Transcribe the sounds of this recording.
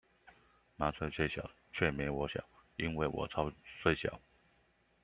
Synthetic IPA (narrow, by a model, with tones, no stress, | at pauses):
ma˧˥t͡sʰwe˥˧ɪt͡sʰwe˥˩ɪɕjɑ̰˨˩ʊ | t͡ɕʰɥɛ˥˩mjɛ˧˥ɪwɔ˧˥ɕjɑ̰˨˩˦i˥nwe˥˩ɪwɔ̰˨˩t͡sʰɑ˥ʊt͡sʰwe˥ɪɕjɑ̰˨˩˦ʊ